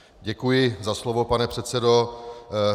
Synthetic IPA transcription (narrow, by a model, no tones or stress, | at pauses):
ɟɛkujɪzaslovopanɛpr̥ɛt̪t͡sɛdo